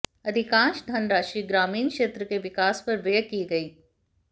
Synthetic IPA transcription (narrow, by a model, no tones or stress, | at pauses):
ɐd̪ʱɪkãːnʃd̪ʱɐnɾaːʃiːɡɾaːmiːnkʃeːt̪ɾəkeʋɪkaːspɐɾʋeːkiɡɐiː